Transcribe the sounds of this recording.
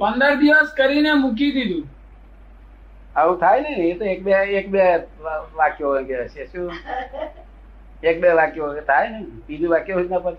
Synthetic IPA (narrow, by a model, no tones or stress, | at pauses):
pənd̪əɾd̪iʋəskəɾinemuk̬id̪id̪ũː | əɦũt̪ʰaːjnənet̪oeːk̚beekbe | ʋakjoɦõɡet͡ʃesu | eːk̚beʋaːkjooet̪ʰaːjnəpid̪uʋakjoɦud͡ʒnapət̪